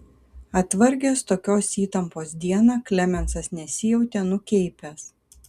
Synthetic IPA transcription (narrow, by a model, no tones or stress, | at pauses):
ɐt̪ʋɐɾʲɡʲeːst̪oːkʲoːsiːt̪ɐmpoːsd̪ʲiɛnɑːklʲɛmʲɛnsɐsnʲɛsʲɪjɛʊt̪ʲɛnʊkʲɛɪpʲɛs